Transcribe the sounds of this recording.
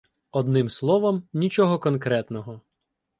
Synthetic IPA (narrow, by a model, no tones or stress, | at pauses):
ɔd̪nɪmslˠɔʋɔmnʲit͡ʃɔɦɔkɔnkɾɛt̪nɔɦɔ